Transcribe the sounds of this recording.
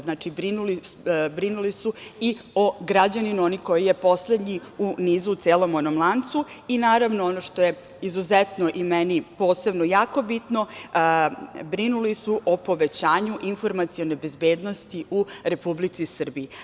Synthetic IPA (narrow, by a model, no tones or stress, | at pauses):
znaːt͡ʃibɾinulibɾinulisuioɡɾad͡ʑaninuoniko̞jijepo̞sled̪ɲiuniːzuːt̪seːlo̞monomlˠant̪suinaːɾaʋnoonoʂt̪o̞je | izuzɛt̪noʔimɛnipo̞ːse̞bnojaːko̞bit̪no̞ | bɾinulisuʔopo̞ʋet͡ɕaːɲuʔinfo̞ɾmat̪sijonebe̞zbeːd̪no̞st̪iʔuɾe̞publit̪sisr̩bii